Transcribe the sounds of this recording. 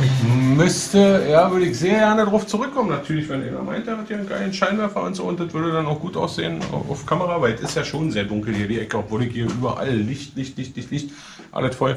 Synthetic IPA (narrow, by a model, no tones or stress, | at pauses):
ɪmʏstəjaːvʏɐɾəɪçz̥eːɐɡɛɐnədaʁaʊft͡suʁʏkʰːɔmənatʰyːɐlɪçvɛnɪmɐ̰ma̰ɪntdeɐhathiːɐənɡaɪlən̩ʃaɪnvɛɐfɐʊ̰ntz̥o̰ːʊntd̥ɐtv̥ʏɐdədanaʊxɡ̥uːtʔa̰ʊsz̥ḛːən̰ʔa̰ʊfkʰaməʁavaɪltɪstjaːʃoːnzeːɐdʊŋkl̩hiːɐdiːʔɛkəɔpv̥oːlɪkhiːɐʔyːbɐʔa̰lːɪçtlɪçtlɪçtlɪçtlɪçt | ʔa̰lətfɔɐ